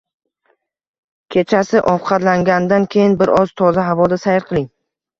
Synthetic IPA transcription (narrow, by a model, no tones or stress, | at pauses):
kʲʰe̞t͡ʃʰasɪʔɒfqʰɑt̪laŋɡʲand̪ankʲʰe̞jɪnbɪɾɒz̥t̪ʰɒzaɦavɒd̪asajɪɾqʰɨlˠɪŋ